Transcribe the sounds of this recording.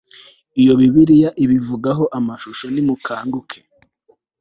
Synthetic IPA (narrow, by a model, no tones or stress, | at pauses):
ijo̞βiβiɾijaʔiβivuɡaɦo̞ʔamaʃuʃo̞nimukʰaːŋɡukʰe̥